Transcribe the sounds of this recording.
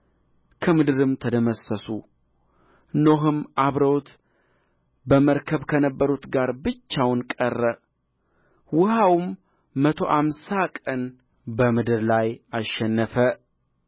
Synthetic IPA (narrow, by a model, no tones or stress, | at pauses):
kʰəmɨd̪ɨɾɨmt̪ʰəd̪əməsəsu | noɦɨmʔaβɾəwt̪ | bəməɾkʰəβkʰənəbːəɾut̪ɡaɾbɨt͡ʃːawnkʼərːə | wʊɦawɨmː | ət̪ʰo̞̰ʔamsakʼən | bəmɨd̪ɨɾlajaʃːɛnːəfə